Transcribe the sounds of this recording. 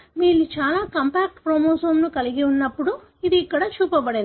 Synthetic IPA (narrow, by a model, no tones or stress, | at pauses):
miːlːut͡ʃaːlaːkɐmpaːk̚ʈpɾomoːsɐmnukɐliɡiunːɐpːuɽu | id̪iːkːɐɽɐt͡ʃuːpɐbɐɽe